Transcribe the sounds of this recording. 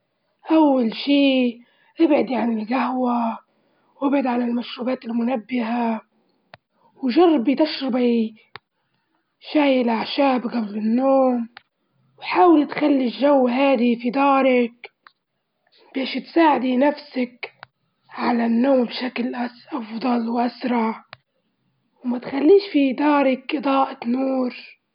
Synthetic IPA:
ʔawːalʃiː | ʔɪbʕɪd̪iʕanɪlɡaɦwa | wʔɪbʕɪd̪ʕalɪlmaʃɾuːbaːt̪ɪlmʊnabːɪha | wʒɑrˤːɑbit̪aʃɾɪbi | ʃaːjɪlʔaʕʃaːbɣablɪnːoːm | wħaːwɪlit̪xalːiʒawːɦaːd̪ifid̪ɑːɾˤɪk | b̥eːʃt̪saːʕɪd̪inafsak | ʕalanːoːmbʃaklʔaʔɑfd̪ˤɑlwʔasɾˤɑʕ | wmat̪xalːiːʃfid̪ɑːɾˤɪkʔɨd̪ˤɑːʔat̪nuːɾ

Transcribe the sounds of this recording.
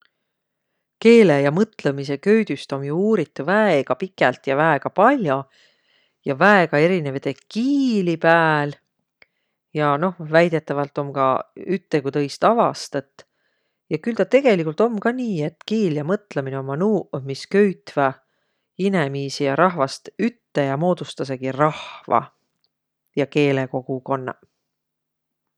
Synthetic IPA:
ke̞ːlejɑmɤt̪ˑlemise̞kø̞ɥd̪̥yst̪o̞mjuuːɾit̪ːˑuvæeɡ̥ɑpikˑːælt̪jɑvæeɡ̥ɑpɑlʲjo̞ | jɑvæeɡ̥ɑe̞ɾinevɑt̪ekiːlipæːl | jɑno̞hvæjd̪̥e̞t̪ːˑɑvɑlt̪ːˑo̞mkɑ̰yt̪ːe̞kut̪ɤ̞jst̪ɑvɑst̪ɑt̪ːˑ | jɑkylt̪ɑt̪e̞ɡ̥e̞likːˑult̪o̞mːkɑniːe̞t̪ːkiːljɑmɤt̪ˑlemineo̞mːɑnuːmiskøɥt̪vɑ | inemiːsijɑɾɑɦvɑst̪yt̪ːe̞jɑmo̞ːd̪̥ust̪ɑs̬e̞ɡ̥irɑhvɑ̰ | jɑke̞ːle̞ko̞ɡ̥uko̞nːɑ̰

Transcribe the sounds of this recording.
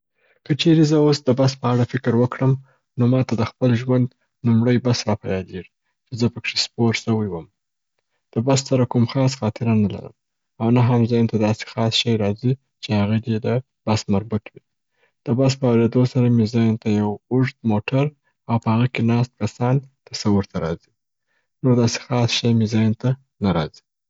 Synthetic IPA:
kət͡ʃeɾezəosd̪əbaspəaɽafɪkɾwəkɽəm | nomɑt̪ad̪əxpəlʒwand̪ | numɽəjbasɾɑpajɑleʐi | t͡ʃezəpəkʂespoɾʈsəwəjwəm | d̪̥əbassaɾakumxɑs̬xɑt̪ɪɾanala̰ɾə̰m | awnaɦamzɑjnt̪ad̪ɑse̥xɑsʃajɾɑzi | t͡ʃehaɣad̪ed̪ə | b̥asmaɾbut̪wi | d̪̥əbas̬pəawɾed̪osaɾamɪzɑjnt̪ajawʊʐd̪moʈʰaɾ | awpəhaɣəkenɑst̪̚kasɑnt̪asawʊɾt̪ʰaɾɑ̰zi̥ | noɾd̪ɑse̥xɑsʃajmizɑjnt̪a | naɾɑ̰z̥i̥

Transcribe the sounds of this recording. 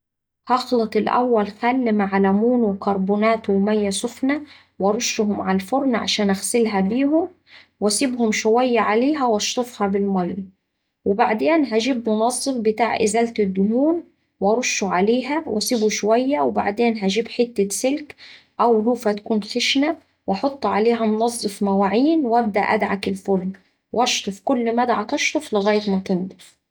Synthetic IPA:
hɑxlɑt̪ˤɪlʔa̰wːælxælːmaʕalamuːnwɪkɑɾˤbuːnaːt̪wmajːasʊfna | wɑɾˤʊʃːɦʊmʕalfʊɾˤnʕa̰ʃaːnʔaxsɪlɦabiːɦʊm | wasɪbhʊmʃʊwajːaʕaleːɦæwɑʃt̪ˤʊfhɑbɪlmɑlː | wɪbaʕd̪eːnɦaʒibmʊnɑzˤːɨfbɪt̪aːʕʔɪ̰zalt̪ɪd̪ːʊhuːn | wɑɾˤʊʃːuʕaleːɦæwʔæsibuʃowæjːæwɪba̰ʕd̪eːnɦæʒiːbħɪt̪ːasɪlk | ʔæwluːfhæt̪kuːnxɪʃnæ | wʔɑħot̪ˤːʕaleːɦæmʊnɑzˤːɨfmæwaʕiːnwæb̚d̪æʔæd̪ʕakɪlfʊln | wʔʔɑʃt̪ˤofkʊlːmæd̪ʕat̪ɑʃt̪ˤoflɪɣæːjɪt̪mæk̪ɪnd̪æ̥

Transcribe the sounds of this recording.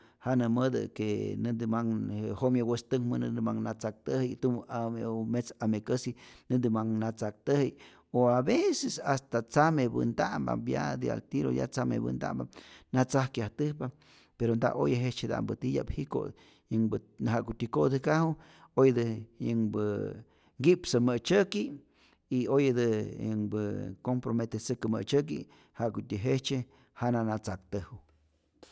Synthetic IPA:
hanəməd̪ɨ̰kenɨnd̪ɨmaŋhomjawest̪ɨŋmɨnɨnd̪ɨmaŋnat͡sak̚t̪əhijt̪umamet͡samekəsinɨnd̪imaŋnat͡sak̚t̪əhij | oaβesesast̪at͡samebɨ̰nd̪amba̰bja̰d̪ia̰lt̪iɾo̰ja̰t͡samḛbɨ̰nd̪a̰mba̰nat͡sahkjaht̪ɨhpa | peɾond̪a̰ʔojaɦet͡ʃed̪a̰mbɨt̪ija̰phiko̰ | jɨŋbɨɦaʔkut̪ʲikod̪ɨkaɦu | ojd̪ɨjɨŋbɨ | ŋɡipsɨmət͡ʃəki | iojd̪ɨjə̰ŋbɨkompɾomet̪esɨkɨmət͡ʃək̬ḭ | haʔkut̪ʲiɦet͡ʃe | hananat͡sak̚t̪ɨhu

